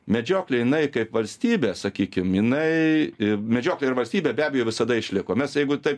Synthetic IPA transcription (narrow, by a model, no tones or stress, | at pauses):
mʲɛd͡ʒʲoːklʲejɪnɐɪkɐɪpʋɐlʲsʲt̪ʲiːbʲeːsɐkʲiːkʲɪmjɪnɐɪ | mʲɛd͡ʒʲoːklʲeɪɾʋɐlʲsʲt̪ʲiːbʲeːbʲæːbʲɛjoːʋʲɪsɐd̪ɐɪʃʲlʲɪkoːmʲɛsjɛɪɡʊt̪ɐɪp